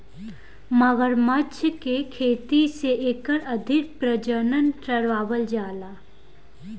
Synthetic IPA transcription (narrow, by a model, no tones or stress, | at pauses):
məɣəɾmət͡ʃʰəkekʰeːt̪iseeːkəɾɐd̪ʱɪk̚pɾəd͡ʒənənʈɾəɾʋaːʋəld͡ʒaːlaː